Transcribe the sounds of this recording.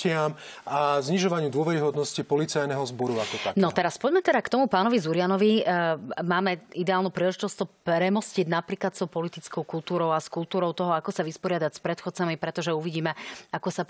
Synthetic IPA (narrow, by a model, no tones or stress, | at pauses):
ɪam | azɲiʒɔʋaɲɪud̪ʊɔʋɛɾiɦɔd̪nɔscipɔlit͡sajnɛɦɔzbɔɾuakɔt̪a̰nɔt̪ɛɾaspɔɟmɛt̪ɛd̪akt̪ɔmupaːnɔʋizuɾɪanɔʋi | maːmɛid̪ɛaːlnupɾiːlɛʒit̪ɔst̪ɔpɾɛmɔsciɟnapɾiːklat̪sɔʊpɔlit̪it͡skɔʊkult̪uːɾɔʊaskult̪uːɾɔʊt̪ɔɦɔakɔsaʋispɔɾɪad̪acspɾɛt̪xɔt̪t͡samipɾɛt̪ɔʒɛuʋiɟiːmɛakɔsa